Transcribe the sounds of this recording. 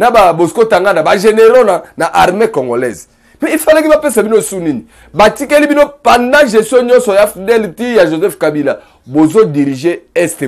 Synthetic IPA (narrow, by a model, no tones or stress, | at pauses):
nababozikotaŋɡanabaʒeneʁonanaʔaʁmekɔŋɡolɛ̰z | mɛifalakibapesabinoesunini | batikɛlibinopãndãʒɛstjɔ̃ɲɔ̃nsɔjafidɛlitejaʒozɛfkabila | bozodiʁiʒeɛste